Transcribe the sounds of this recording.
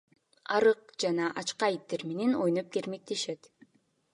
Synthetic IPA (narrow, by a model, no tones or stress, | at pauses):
ɑɾɯq̚d͡ʒɑnɑʔɑt͡ʃqɑjit̪ːeɾmenenojnop̚ke̞ɾme̞k̚t̪e̞ʃe̞t̪